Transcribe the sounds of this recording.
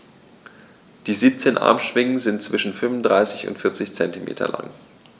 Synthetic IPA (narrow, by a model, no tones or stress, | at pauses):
d̥iːziːp̚t͡seːnʔa̰ɐmʃv̥ɪŋənzɪntt͡sv̥ɪʃn̩fʏnvʊndʁaɪsɪçʊ̰ntfɪɐt͡sɪçt͡sɛntimʔḛːtʰɐ̰la̰ŋ